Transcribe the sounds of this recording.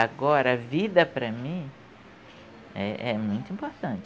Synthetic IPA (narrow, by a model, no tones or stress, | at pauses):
aɡɔɾɐɐvid̪ɐpɾɐmĩ | ɛ̰ʔɛmũj̃t̪ʊĩpoɾt̪ɐ̃t͡ʃ